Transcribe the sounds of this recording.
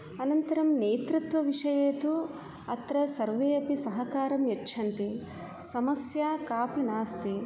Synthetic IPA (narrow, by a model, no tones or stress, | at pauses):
ɐnɐnt̪ɐɾɐmneːt̪ɾut̪ʋɐʋiʂɐjeːt̪u | ɐt̪ɾɐsɐɾʋeːɐpisɐɦɐkaːɾɐmjɐtːʃʰɐnt̪i | sɐmɐsjaːkaːpinaːst̪i